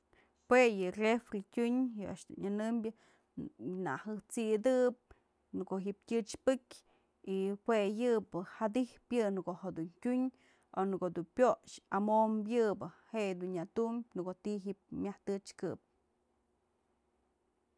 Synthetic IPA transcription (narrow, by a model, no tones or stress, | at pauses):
hwejɨrefɾitʲuɲjɨʔa̰ʔʂd̪ṵnanɨmbʲjɨ | na̰hɨht͡sid̪ɨp̚ | nɨkoʔɦiʔp̚tʲɨt͡ʃpɨkʲ | ihwejɨpɨhad̪ihpjɨnkoɦad̪untʲuɲ | onɨkod̪unpʲjoʂamombjɨbɨheʔd̪unjat̪umbʲnɨkot̪iɦiʔp̚mʲjaht̪ɨt͡ʃkɨp̚